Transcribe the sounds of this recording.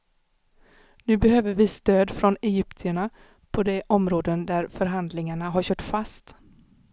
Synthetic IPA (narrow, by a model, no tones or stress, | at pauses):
nʉ̟ːbɛɦøːvəɾvɪst̪øːd̪fɾɔnɛjʏpt̪ɪəɳa | pʰɔd̪ɛʔɔmɾoːd̪ənd̪æɾfœɾɦand̪lɪŋaɳaɦaɕœːʈfast̪